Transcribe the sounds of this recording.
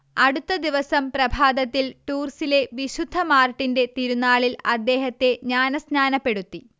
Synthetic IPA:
ɐɽut̪ːɐd̪iʋɐsɐmprɐbʱaːd̪ɐt̪ːilʈuːrsile̞ʋiɕud̪ʱːɐmaːrʈːinde̞t̪iɾunːaːɭilɐd̪ːe̞ːɦɐt̪ːe̞ɲaːnɐsnaːnɐpːe̞ɽut̪ːi

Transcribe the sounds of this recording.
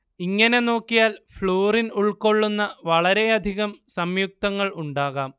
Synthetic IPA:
iŋːɐne̞no̞ːkːijaːlfɭoːrinuɭko̞ɭːunːɐʋɐɭɐɾe̞ɐd̪ʱiɣɐmsɐmjuk̚t̪ɐŋːɐɭuɳɖaːɣaːm

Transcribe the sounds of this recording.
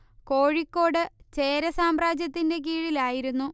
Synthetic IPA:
ko̞ːɻikːo̞ːɽɨt͡ɕe̞ːɾɐsaːmraːd͡ʑjɐt̪ːinde̞k̬iːɻilaːjiɾunːu

